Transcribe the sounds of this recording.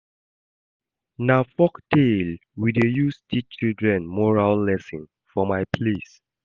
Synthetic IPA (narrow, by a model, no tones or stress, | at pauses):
nafɔkdelwidejustʰit͡ʃildɹɛ̃nmɔɹalːɛsĩn | fɔmaɪpʰles